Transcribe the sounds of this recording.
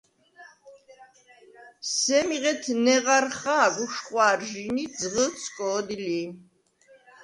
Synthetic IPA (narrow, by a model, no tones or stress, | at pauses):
sɛmiʁɛt̪ʰnɛʁaɾχaːɡuʃχʼwaɾʒinid̪zʁət̪sʰkʼɔːd̪ili